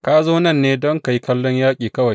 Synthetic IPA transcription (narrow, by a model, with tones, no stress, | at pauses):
kaː˦zoː˦nɐ˦˨nːeː˦dɔ˦ŋka˨ji˦kɐ˦lːɔ˦ɲjaː˦kʲʼiː˨kɐ˦wa˨j